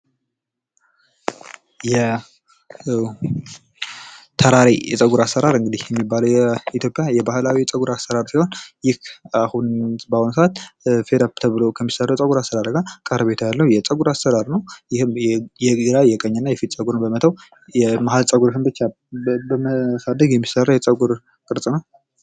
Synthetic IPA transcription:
jɛ | t̪ʰəɾaɾijɛ̰sʼəɡuɾasːəɾaɾɨŋɡɨd̪ihjɛmːibːaləwjɛit̪jo̞pʼjajɛbahɨlawit͡sʼəɡuɾasəɾaɾsiho̞njɪhahunbahunsəat̪fed̪ap̚t̪ʰəβɨlokʰəmːisərːəwjɛt͡sʼəɡuɾasəɾaɾɡakʼəɾβe̞t̪ʰjalːəhujɛt͡sʼəɡuɾasəɾaɾnəwjɪhmjɛɡɨɾajɛkʼəɲːɨnːajɛfit̪ʼt͡sʼəɡuɾɨnbəmət̪ʰəw | jɛmaɦalt͡sʼəɡuɾɦɨmbɨt͡ʃːa | bəməsad̪əɡjɛmːisərːəwjɛt͡sʼəɡuɾ | kʼɨɾt͡sʼnəw

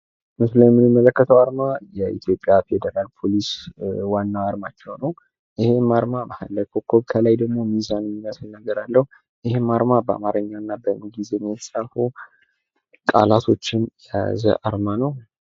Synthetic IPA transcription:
mɨsləmːɨnɨmːələkːət̪ʰəwaɾmajɛʔḭt̪ʰjo̞pʼːjaped̪əɾalpʰo̞liswanːaaɾmat͡ʃːɛwnəw | ʔɪhe̞mːaɾmamaha̰lːəkʰo̞kʰːo̞βkʰəlajd̪əɡmo̞mizanmːinəsnəɡəɾalːəhu | ʔɪhemːaɾmabəa̰maɾɨɲːanːabəmɡize̞mjɛt̪ʰəsʼaɾfu | kʼa̰lat̪ʰo̞t͡ʃːɪnɛja̰zə̰ʔaɾmanəw

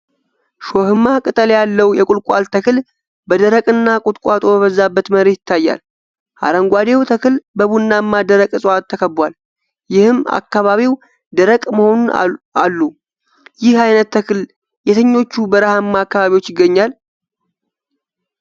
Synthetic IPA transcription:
ʃohɨmːakʼɨt̪ʼəljalːəwjɛkʼʊlkʷʼalt̪ʰəkɨl | bəd̪əɾəkʼɨnːakʼʊt̪ʼkʷʼwat̪ʼo̞bəβəzːabːət̪məɾe̞jɪt̪ʰːajːa̰l | ʔa̰ɾəŋɡʷad̪ewt̪ʰəkʰɨlbəβunːamːad̪əɾəkʼɨsʼat̪ʰːəkʰəbwal | jɪhɨma̰kːaβaβiw | d̪əɾəkʼməho̞nunalːu | jɪhajnət̪ːʰəkɨl | jɛt̪ʰəɲːo̞t͡ʃːubəɾəhamːaːkːaβaβiwot͡ʃːjɪɡːəɲːal

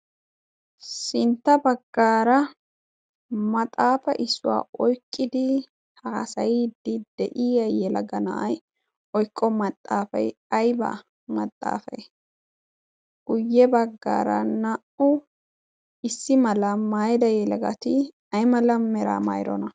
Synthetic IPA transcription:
sɪnt̪ːɐbɐɡːaːɾɐ | mɐt̪ʼaːfɐʔɪsːʊwa̰ːɔjkʼːɪd̪ɪ | hɐhɐsɐjid̪ɪd̪̥ɛʔijɐjɛlɐ̰ɡɐnɐ̰ʔɐj | ɔjkʼːɔmɐt̪ʼːaːfɐ̰j | ɐjbɐ̰ | mɐt̪ʼːa̰ːfɐ̰j | ɡ̥ʊjːɛbɐɡːa̰ːɾɐ̰nɐʔʊ | ɪsːɪmɐlɐmaːjd̪ɐjɛlɐɡɐ̰t̪ɪ | ɐjmɐlɐmɛɾa̰ːmɐ̰jɾɔ̰nɐ

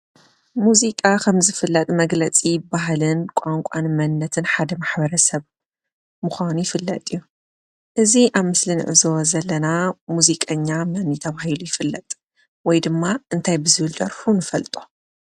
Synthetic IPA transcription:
muzikʼakʰɐmzɨfɨlːɐt̪ʼmɐɡlɐt͡sʼijɪbːaɦlɨnkʷʼaŋkʷʼanmɐnːɐt̪ʰɨnħad̪ɐmaħbɐɾɐsɐβ | mɨxʷanujɪfɨlːɐt̪ʼijːu | ʔɨziʔaβmɨslinɨ̰ʕɨzo̞zɐlːɐnamuzikʼɐɲːamɐnːit̪ʰɐβahilujɪfɨlːɐt̪ʼ | wɔjd̪ɨmːaʔɨnt̪ʰajbɨzɨβɨld̪ɐɾħunɨfɐlt̪ʼo̥

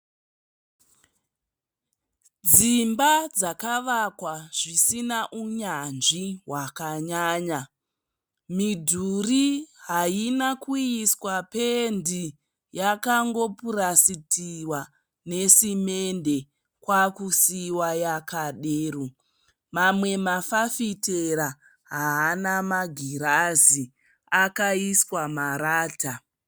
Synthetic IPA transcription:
d͡zimbad͡zakaʋakwaʐisinaʔuɲanʐiɦwakaɲaːɲa | midʱuriɦainakujiswape̞ndi | jakaŋɡo̞puɾasitiwa | ne̞sime̞nde̞ | kwakusiwajakaɗeːru | mamwe̞mafafiteɾa | ɦaːnamaɡʱiɾazi | akaiswamaɾaːta

